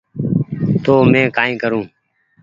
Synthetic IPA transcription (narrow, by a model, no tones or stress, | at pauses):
t̪oːmɛ̃ːkaːĩːkəɾũː